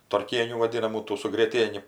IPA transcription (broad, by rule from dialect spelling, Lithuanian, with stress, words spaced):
tɐrʲˈkʲiɛnʲuː ʋɐˈdʲɪnɐmuː ˈtuː sʊ ɡrʲiɛˈtʲiɛnʲɪ